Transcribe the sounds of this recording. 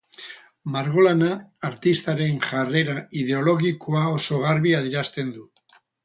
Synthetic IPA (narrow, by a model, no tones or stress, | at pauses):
maɾɣ̞o̞lanaːɾt̪ist̪aɾe̞nʝare̞ɾaið̞e̞o̞lo̞ɣikʰoaoso̞ɣaɾβiaðiɾast̪e̞nd̪u